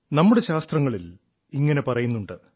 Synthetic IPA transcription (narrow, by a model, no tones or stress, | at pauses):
nɐmːuɽe̞ɕaːst̪rɐŋːɐɭil | iŋːɐne̞pɐrɐjunːuɳɖɨ